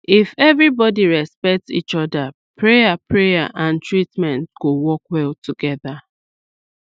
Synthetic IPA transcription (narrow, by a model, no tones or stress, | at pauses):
ifɛvɹibɔdiɹɛspɛk̚tsḭt͡ʃɔda | pʰɹejapʰɹeja̰ʔãntʰɹitmɛ̃ntɡ̥owɔkwɛltuɡɛða